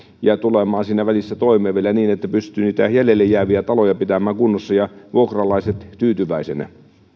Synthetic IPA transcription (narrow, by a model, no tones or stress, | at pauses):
jæt̪ulemɑːnsiːnæʋælisːæt̪oˑimeːʋielæniːnet̪ːæpyst̪yniːt̪æjælelːejjæːʋiæt̪ɑlojɑpit̪æmæːŋkunːosːɑjɑʋuokrɑlɑiset̪t̪yːt̪yʋæˑisenæ̰